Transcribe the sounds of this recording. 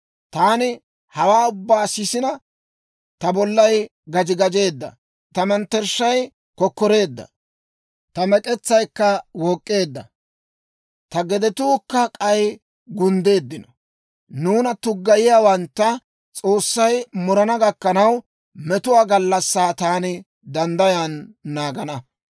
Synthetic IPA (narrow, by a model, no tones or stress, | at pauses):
t̪aːnɪ | hɐwaːʊbːaːsɪsɪnɐ | t̪ɐbɔlːɐj | ɡɐd͡ʒɪɡɐd͡ʒe̞ːd̪ːɐ̰ | t̪ɐmɛnt̪ːɛɾʃːɐj | kɔkːɔɾe̞ːd̪ːɐ̰ | t̪ɐmɛkʼɛt͡sːɐjkːɐwɔkʼːe̞ːd̪ːɐ̰ | t̪ɐɡɛd̪ɛt̪uːkːɐkʼɐj | ɡʊnd̪e̞ːd̪ːɪnɔ̥ | nuːnɐt̪ʊɡːɐjɪjaːwɐnt̪ːɐ | t͡sʼo̞ːsːɐjmɔɾɐnɐɡɐkːɐnɐw | mɛt̪ʊwaːɡɐlːɐsːaːt̪aːnɪ | d̪ɐnd̪ɐjanːaːɡɐnɐ